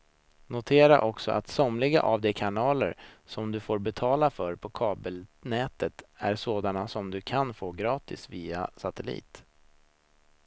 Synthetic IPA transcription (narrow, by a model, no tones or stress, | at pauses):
nʊt̪ʰeːɾa̰ʔɔksɔ̰ʔat̪sɔmlɪɡa̰ʔavd̪ɛkʰanɑːlə̰ɾsɔmd̪ɵfoːɾbɛt̪ʰɑːlafœɾpʰɔkʰɑːbəlnɛːt̪ət̪æɾsoːd̪anasɔmd̪ɵkʰanfoːɡɾɑːt̪ɪsviːa̰sat̪ɛlḭːt̪